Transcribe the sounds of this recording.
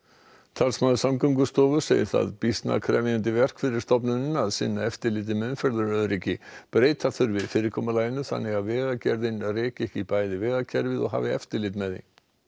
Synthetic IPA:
t̪ʰalsmaðʏsamkœwŋk̬ʏst̪ɔːvʏsḛːjɪθa̰ðpist̪na̰kʰɾɛ̰ːvɪjant̪ɪvɛr̥kfɪɾɪɾst̪ɔpnʏnaðsɪ̰nːaɛft̪ɪɾlɪːt̪̬ɪmɛnfɛɾðʏɾœðɾiːcɪpɾeːjt̪aθʏɾvɪðfɪːɾɪɾkʰɔːmalaːjɪnːʏθa̰nːɪɣaðvɛːɣacɛɾðɪnreːcɛhcɪpaːjðɪvɛːɣacʰɛɾvɪðɔ̰ɣɦa̰ːvɪɛ̰ft̪ɪlɪːt̪mɛðḭn

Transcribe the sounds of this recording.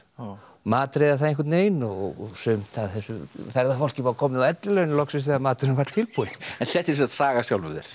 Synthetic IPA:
maːt̪ɾeːjðaθaðenkat̪neːjnɔɔɣsʏmt̪aðθɛsːʏθɛɾðafol̥cɪvakʰɔːmɪðaðɛt̪lɪlɛɣʏnɪlɔksɪs̬amaːt̪ʏnʏvaɾ̥t̪t̪ʰɪlpuɪɛnθɛht̪ɛɾs̬iat̪saːɣasjawlvʏðɪ̰ɾ̥

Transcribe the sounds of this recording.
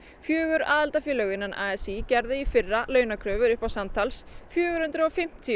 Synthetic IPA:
fjœːɣʏɾa̰ːðalt̪afɪːlœɣɪnːanʔaɛsicɛɾðɪifɪrːalœːɥnakʰɾœːvʏɾʏhpawsamt̪ʰalsfjœːɣʏɾ̥hʏnt̪ɾʏɔfɪm̥t̪ʰi

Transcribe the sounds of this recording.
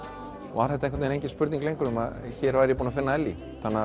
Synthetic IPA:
ɔ̰aθɛht̪aeŋkvt̪ːɛnejɲcɪnspʏɾt̪iŋklejŋkʏɾʏmaðçɛɾvajɾjɛpunafɪnːaɛlːi | θanːa

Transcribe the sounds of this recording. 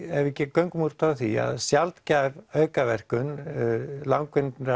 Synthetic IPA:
ɛvɛcːɪkœɥŋkmur̥t̪aθia̰ðsjalt̪cavœːɥkavɛr̥kʏn | lawŋkvɪnt̪nɾa

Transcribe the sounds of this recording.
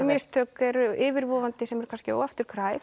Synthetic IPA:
mɪst̪ʰœːkɛɾɪːvɪɾvɔːvant̪ɪsɛmɛɾ̥kʰanscɪo̰wɣaft̪ʏɾ̥kʰɾaːj

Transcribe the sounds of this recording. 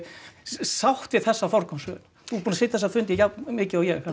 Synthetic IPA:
sawht̪vɪðθɛsːafɔɾkɔmsvœ̰ːl | θupuːnaseːjt̪θɛsafʏnt̪jɛjamɪːcɪawjɛa

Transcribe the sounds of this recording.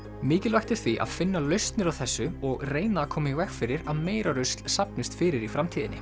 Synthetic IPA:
mɪːcɪlvajxt̪ɪɾ̥θviʔa̰ðfɪnːalœɥst̪nɪɾawθɛsːʏɔɣreːjnaːkʰɔːmɪvɛkfɪːɾɪɾaðmeːjɾaɾʏst̪lsapnɪst̪fɪːɾɪɾifɾamt̪ʰiːðɪnːɪ̰

